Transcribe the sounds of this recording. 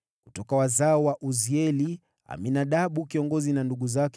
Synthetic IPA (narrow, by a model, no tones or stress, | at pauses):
ku̥tɔkawazaɔwaʔuziɛli | a̰minaɗaɓukiɔŋɡɔzinanduɠuzak